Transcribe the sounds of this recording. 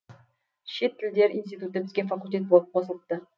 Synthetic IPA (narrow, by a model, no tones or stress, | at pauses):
ʃe̞t̪ʰːɪld̪e̞ɾinst̪it̪ut̪ːət̪ʰɪ̥z̥ɡʲenfakulʲt̪ʲe̞t̪̚bolˠəp̚qʰosəlˠəp̚t̪ə